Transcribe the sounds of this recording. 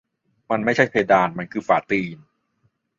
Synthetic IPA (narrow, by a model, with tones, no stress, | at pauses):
ma˧nma˥˩jt͡ɕʰa˥˩jpʰeː˧daː˧nma˧nkʰɯː˧faː˨˩˦t̪iː˧n